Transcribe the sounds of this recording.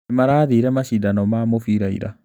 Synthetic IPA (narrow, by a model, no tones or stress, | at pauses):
ɛmaɾaːðiɾɛmaʃidanɔmaːmofiːɾaḭɾa̰